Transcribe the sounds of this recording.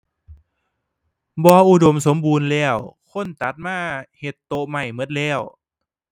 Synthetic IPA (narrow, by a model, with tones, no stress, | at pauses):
bɔː˧ʔu˧do˨˩˦ms̬o˨˦mbuː˧nlɛː˧˩wkʰo˧˥˨nt̪a˨˦t̪̚maː˧˥˩he˨˩t̪ːo˧ma˧˩jmɤ˧˥˦t̪̚lɛː˧˩w